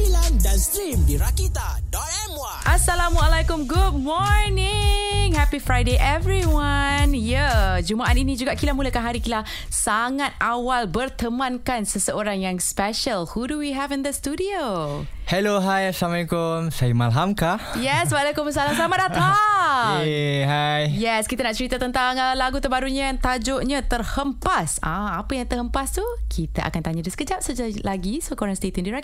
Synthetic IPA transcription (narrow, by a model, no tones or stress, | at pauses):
ilandãnstɾimdiɾakit̪adɔ | ɛmaʔasalamalejkʊmɡud̚mɔɹnɪŋhɛpifɹajdeʔɛvɹiwanjəd͡ʒumaʔat̪inĩd͡ʒuɡaʔkilamulakanɦaɾikila | saŋat̪̚ʔawalbərt̪əmãnkansəsəoɾaŋjaŋspɛʃəlhuduwiɦɛvɪ̃nd̪əstudiohɛloɦajsamãikomsajimalɦamkajɛswalakʊms̬alasamadat̪a | eɦajjɛskit̪anaʔt͡ʃəɾit̪ət̪ənt̪aŋəlaɡut̪əbaɾuɲããŋt̪ad͡ʒoʔɲãt̪ərhəmpasã̰apəjaŋt̪əhəmpast̪ukʰit̪aʔa̰kant̪aɲadəsə̥kəd͡ʒap̚səd͡ʒalaɡisokoɾaŋst̪et̪əndiɾɛk̚